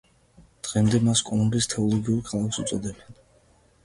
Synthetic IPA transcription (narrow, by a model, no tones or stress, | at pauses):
d̪̥ʁɛmd̪ɛmaskʼɔlˠumbist̪ʰɛɔlˠɔɡiuɾkʰalˠakʰsut̪sʼɔd̪ɛbɛn